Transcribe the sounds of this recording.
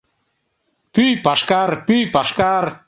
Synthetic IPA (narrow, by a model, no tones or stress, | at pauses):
pyjpaʃkarpyjpaʃkar